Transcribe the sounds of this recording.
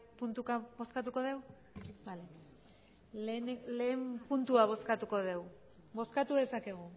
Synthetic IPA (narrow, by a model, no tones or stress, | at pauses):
punt̪ukaβo̞skat̪uko̞ðe̞w | bale | lenle̞ːmpunt̪uaβ̞o̞skat̪uko̞ðe̞w | bo̞skat̪uðe̞sake̞ɣ̞u